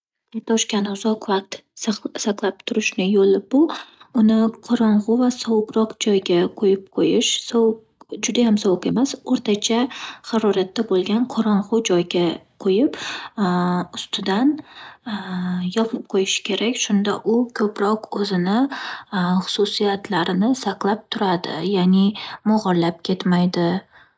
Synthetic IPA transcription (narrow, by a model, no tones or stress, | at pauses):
at̪ʰɒʃkʲanʊzɒqvaq̚t̪saqlˠap̚t̪ʰʊɾɪʃnɪjolɪbʊʊnɪqʰɒɾɒɴʁʊvasɒwʊqɾɒqd͡ʒɒjɡʲaqʰojɪp̚qʰojɪʃswq | d͡ʒʊd̪ajamsɒwqe̞masoɾt̪ʰat͡ʃʰaχɑɾɒɾat̪ːabolˠɡʲanqʰɒɾɒɴʁʊd͡ʒɒjɡʲaqʰojɪp | ʊst̪ʰɪd̪an | jɒpʰɪp̚qʰojɪʃɪ̥kʲʰe̞ɾakʲʃʊnd̪aʔʊkʰɵpɾɒqɵzɪnɪ | χʊ̥sʊsijat̪ʰlaɾɪnɪsaqlˠap̚t̪ʰʊɾad̪ɪ̰janɪmɒʁɒlːap̚kʲʰe̞t̪majd̪ɪ